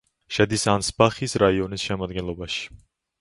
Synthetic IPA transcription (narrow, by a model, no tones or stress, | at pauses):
ʃɛd̪isansbaχisɾaiɔnisʃɛmad̪̚ɡɛnlˠɔbaʃi̥